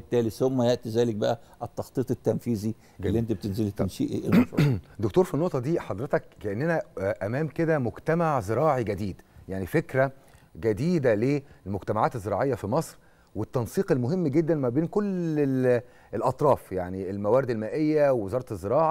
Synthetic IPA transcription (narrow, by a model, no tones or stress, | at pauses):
bet̪ːæːlisomːæjeʔt̪izæːlek̚bæʔæ | ʔet̪ːɑxt̪ˤiːt̪ˤet̪ːænfiːzi | lːiʔent̪æbet̪enzelet̪ænʃḭʔḛʔḛfd̪ok̚t̪oːɾfinːoʔt̪ˤɑd̪iːħɑd̪ˤɾet̪ɑkːæʔenːænæʔæmæːmked̪æmoɡt̪æmaʕzeɾɑːʕiɡæd̪iːd̪jaʕnifekɾæɡæd̪iːd̪ælelmoɡt̪æmaʕaːt̪ezːeɾˤɑːʕejːɑfimɑsˤɾ | wet̪ːɑnsˤiːqelmoɦemːɡed̪ːænmæbeːnkole | elʔɑt̪ˤɾˤɑːfjaʕnielmæwæːɾed̪elmæːʔejːæwewezɑːɾˤɑt̪ezˤːeɾɑːʕɑ